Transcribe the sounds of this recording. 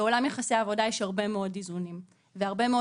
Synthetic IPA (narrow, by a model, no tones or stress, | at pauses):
olamjeχasiaːvo̞dajeʃhaʁbe̞meo̞dizunim | veaʁbe̞meo